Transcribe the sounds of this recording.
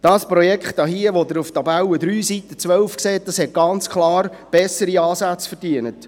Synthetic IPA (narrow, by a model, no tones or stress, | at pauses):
d̥ɑːspɾɔjɛkχtɑɦiəʋod̪əɾuft̪ɑbæwəd̪ɾyːsitət͡sʋœlfkseːt̚d̪ɑshɛt̚ɡ̥ɑnt͡skχlɑːɾb̥ɛsəɾiɑːsæt͡sfərd̥iənət